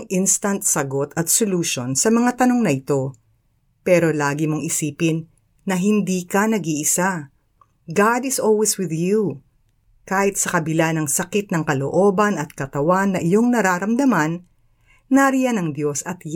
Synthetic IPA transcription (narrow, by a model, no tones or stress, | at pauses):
ŋʔɪnst̪ɐnt̪̚sɐɡo̞t̪ʰɐt̪soluːʃo̞nsɐmɐŋat̪ɐno̞ŋnɐʔɪt̪o̞ | pɛːɾo̞laːɡɪmo̞ŋɪsiːpɪnː | ɐɦɪnd̪iːkɐnɐɡiʔɪsa | ɡad̪ɪsolwiswɪðju | kaːhɪt̪sɐkɐbɪlanɐŋsɐkɪt̪̚nɐŋkɐlo̞̰ʔo̞ːbɐnɐt̪̚kɐt̪ɐwanːɐʔɪjo̞ŋnɐɾaːɾɐmd̪ɐmɐnː | ɐɾijɐnɐŋd̪jo̞sɐt̪j